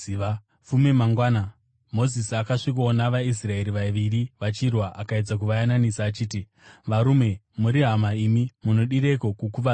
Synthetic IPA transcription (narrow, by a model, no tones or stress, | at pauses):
fume̞maŋɡwaːna | mo̞zisiakaʂik̬onaʋais̬rae̞ɾiʋaeʋiriʋat͡ʃirwaʔakaed͡zak̬uʋajananisaːt͡ʃiːti | ʋaɾume̞ | muɾiɦamaimimuno̞ɗiɾeko̞kukuʋa